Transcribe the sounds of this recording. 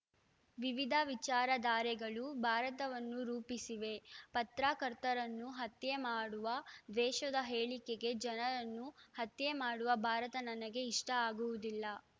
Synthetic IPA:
ʋiʋid̪ʱɐʋit͡ʃaːɾɐd̪aːɾɛɡɐɭubʱaːɾɐt̪ɐʋɐnːuɾuːpisiʋe̞pɐt̪ɾaːkɐɾt̪ɐɾɐnːuɦɐt̪jemaːɽuʋɐʋɛːʃɐd̪ɐɦeːɭikeɡe̞d͡ʒɐnɐɾɐnːuhɐt̪jemaːɽuʋɐbʱaːɾɐt̪ɐnɐnɐɡe̞iʂʈɐaːɡuʋud̪ilːɐ

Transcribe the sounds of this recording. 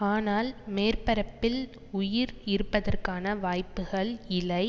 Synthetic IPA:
aːnaːlmeːrpɐɾɐpːɪl | ʊjɪɾɪɾɯpːɐðɐrkaːnɐʋaːjpːɯɣɐɭɪlɐɪ

